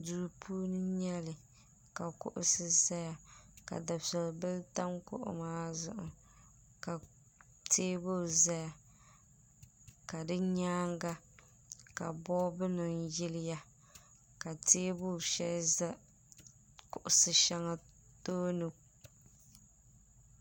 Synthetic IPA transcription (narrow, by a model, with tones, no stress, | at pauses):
du˨ɾpʰuː˦nɨ˦ɲɛ˦lɨ˨ | ka˨kʊ̰˨ʔʊ̰˦sɨ˦za˦ja˨ka̰˨da˨sɛ˨lbɨ˦lta˦ŋkʊ̰˦ʔʊ̰˦maː˦zʊ̰˦ʔʊ̰˨ | ka˨ | teː˦bo˦˨za˦ja˨ | ka˨dɨ˦ɲaː˦ŋɡa˦ | ka˨bɔ˦bɨ˦nɨ˨n˦jɪ˦lɪ˦ja˦ | ka˨teː˦bo˦˨ʃɛ˦l | kʊ˨ʔʊ˨sɨ˨ʃa˦ŋa˨ | toː˦nɨ˦